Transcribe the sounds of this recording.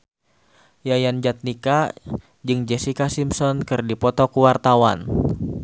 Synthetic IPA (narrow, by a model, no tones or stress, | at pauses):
jajand͡ʒat̪̚nika | d͡ʒɨŋd͡ʒɛsikasimsɔnkɨrdipɔt̪ɔkuwart̪awa̰n